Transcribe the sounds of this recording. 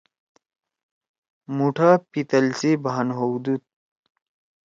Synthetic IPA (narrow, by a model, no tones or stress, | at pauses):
muʈʰapit̪ɐlsibaanɦowd̪ut̪̚